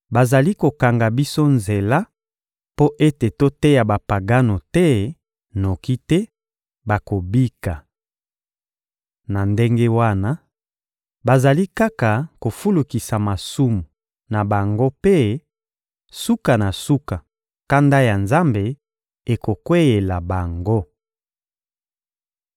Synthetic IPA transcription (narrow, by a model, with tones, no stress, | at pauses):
ba˨za˨li˦ko˨ka˨ŋɡa˨bi˦so˦nze˨la˦ | po˦ʔe˦te˨to˦tɛ˦ja˨ba˨pa˨ɡa˦no˨tɛ˦ | no˨ki˦tɛ˦ | ba˨ko˨bi˦ka˨ | na˨nde˦ŋɡe˦wa˦na˦ | ba˨za˨li˦ka˦ka˨ko˨fu˦lu˨ki˨sa˨ma˨su˦mu˨ | na˨ba˨ŋɡo˦pe˦ | su˦ka˨na˨su˦ka˨ | ka˦nda˦ja˨nza˦mbe˨ | e˨ko˨kwe˦e˨la˨ba˨ŋɡo˦